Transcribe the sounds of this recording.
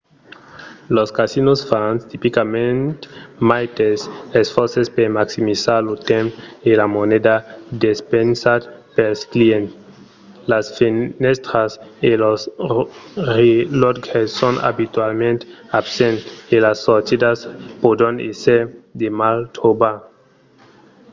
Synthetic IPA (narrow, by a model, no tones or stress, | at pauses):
loskasinosfanst̪ipikamẽnt̪majt̪esesfɔɾsespeɾmaksimisaɾlot̪ẽmpelamoned̪ad̪espensad̪pelskliẽnt | lasfinɛst̪ɾaselos | ɾelotɡesːona̰bit̪walmẽnt̪absẽnt̪elasːoɾt̪id̪aspod̪ɾãneseɾd̪emalt̪oba